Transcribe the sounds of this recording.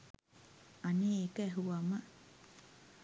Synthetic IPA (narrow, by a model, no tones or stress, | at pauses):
anekeɦuama